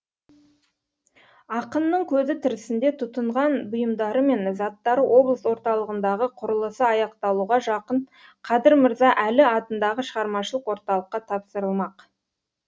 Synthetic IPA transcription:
ɑqənːəɴkʲʰɵzɪt̪ʰɪɾɪsɪnd̪e̞t̪ʰʊt̪əɴʁɑnbʊjəmd̪ɑɾəme̞nzɑt̪ːɑɾəwʔo̞blˠəswo̞ɾt̪ɑlˠəʁənd̪ɑʁəqʰʊɾəlˠəsəɑjɑqt̪ɑlˠuʁɑʒɑqəɴ | qʰɑd̪ɪɾməɾzɑʔælɪɑt̪ənd̪ɑʁəʃəʁɑɾmɑʃəlˠəqwo̞ɾt̪ɑlˠəqːɑt̪ʰɑpsəɾəlˠmɑq

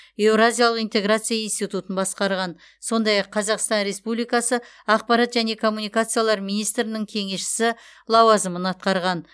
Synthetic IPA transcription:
e̞vɾazʲijalˠəqint̪e̞ɡɾat̪sɨjainst̪ijt̪ut̪ənbɑsqɑɾʁɑn | so̞nd̪ɑjɑqʰːɑzɑqst̪ɑnɾe̞spublijkɑsə | ɑq̚pɑɾɑt̪ʒæne̞kʰo̞mːunijkat̪sɨjalˠɑɾmijnijst̪ɾɪnɪŋkʲʰe̞ŋe̞ʃɪ̥sɪlˠɑwɑzəmənɑt̪̚qɑɾʁɑn

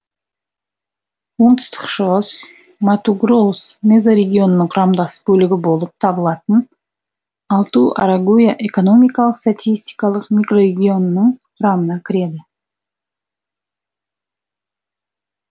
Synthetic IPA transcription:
wo̞ɴt̪ʰʊ̥st̪ə̥qʃəʁəs | mat̪uɡrosme̞zaɾe̞ɡʲio̞nənəɴqʰʊɾɑmd̪ɑsbɵlɪɡʲɪbo̞lˠəp̚t̪ʰɑbəlˠɑt̪ən | ɑlˠt̪uʔaɾaɡujaʔeko̞no̞mʲijkɑlˠəqst̪at̪ʲijsʲt̪ʲi̥jkɑlˠəqmʲijkro̞ɾe̞ɡʲio̞nənəɴqʰʊɾɑmənɑkʲʰɪɾe̞d̪ɪ

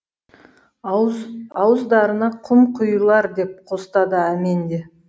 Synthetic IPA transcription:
ɑwəzd̪ɑɾənɑqʰʊmqʰʊjlˠɑɾd̪e̞p̚qʰo̞st̪ɑd̪əæmend̪e̞

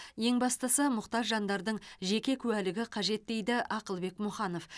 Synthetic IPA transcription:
je̞ŋbɑst̪əsəmʊqt̪ɑɾʒɑnd̪ɑɾd̪əɴʒe̞kʲe̞kʲʰʉwælɪɡʲɪqʰɑʒe̞t̪ːe̞jd̪ɪʔɑqəlˠbe̞kmʊχɑno̞f

